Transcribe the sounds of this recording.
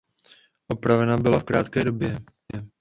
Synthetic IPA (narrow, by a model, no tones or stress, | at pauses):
ʔopɾavɛnabɪlafkɾa̰ːt̪kɛːdobjɛ